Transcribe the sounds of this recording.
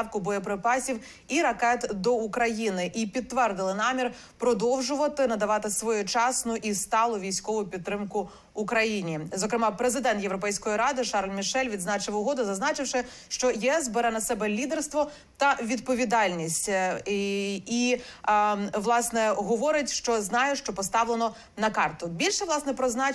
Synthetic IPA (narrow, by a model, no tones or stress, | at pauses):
wkʊbɔjɔpɾɪpɑsʲiw | iɾɐkɛt̪d̪ɔukɾɐjinɪʔipʲidt̪̚t̪ːʋɛrd̪ɪlˠɪnɑmʲir | pɾɔd̪ɔwʒʊʋɐt̪ɪnɐd̪ɐʋɑt̪ɪsʋɔjʊt͡ʃɑsnʊʔist̪ɑlˠʊʋʲijsʲkɔʋʊpʲidt̪ːɾɪmkʊː | kɾɐjinʲizɔkɾɪmɑpɾezɪd̪ɛnt̪jewɾɔpɛjsʲkɔjiɾɑd̪ɪʃɑrlʲmʲiʃɛlʲʋʲid̪znɑt͡ʃɪʋʊɦɔd̪ʊzɐznɑt͡ʃɪwʃɪ | ʃt͡ʃɔjiɛsbɛɾɛnɐsɛbɛlʲid̪ɛrst̪ʋɔ | t̪ɐʋʲid̪̚pɔʋʲid̪ɑlʲnʲisʲtʲ | i | ʋlˠɑsnɛɦɔʋɔɾɪtʲʃt͡ʃɔznɑjɛʃt͡ʃɔpɔst̪ɑʋlenɔ | nɐkɑrt̪ʊbʲilʲʃɛʋlˠɑsnɛpɾɔznɑ